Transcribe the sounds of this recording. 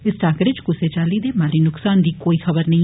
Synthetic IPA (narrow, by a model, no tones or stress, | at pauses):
ɪsʈaːkəʈɪd͡ʒkʊseːt͡ʃaːliːd̪eːmaːliːnʊksaːnd̪iːkoːiːxʰɐbəɾnɐɦĩː